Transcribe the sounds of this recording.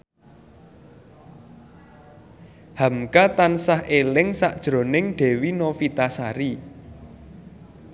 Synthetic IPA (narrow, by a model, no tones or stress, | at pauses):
hamkat̪ansahʔelɪŋsaʔd̥ʒ̥ɾo̤nɪŋɖ̥e̤winofit̪asaɾi